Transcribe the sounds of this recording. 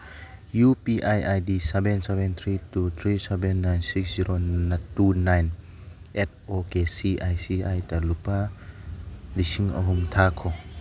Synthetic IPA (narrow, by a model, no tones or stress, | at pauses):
jupiʔajajdisɛbɛnsɛbɛnt̪ʰɾitut̪ʰɾisɛbɛnːajnsiksziɾonatunajn | ʔɛt̚okesiʔajsiajtalupa | disiŋɐ̰ɦumt̪ʰakʰɔ